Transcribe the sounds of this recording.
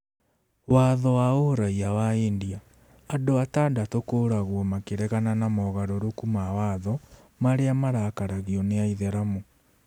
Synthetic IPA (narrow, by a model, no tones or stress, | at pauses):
waðɔwaoɾaiawaendia | adoataːdatokoɾaɣwɔmakeɾɛɣananamɔɣaɾoɾokumawaðɔ | maɾeamaɾakaɾaɣiɔneaiðɛɾamo